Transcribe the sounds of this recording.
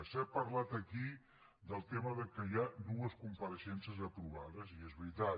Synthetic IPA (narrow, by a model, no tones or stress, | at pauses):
sɛpəɾlat̪əki | d̪əlˠt̪eməðəkəjanuəskumpəɾəʃɛnsəzəpɾuβaðəziezβɾit̪a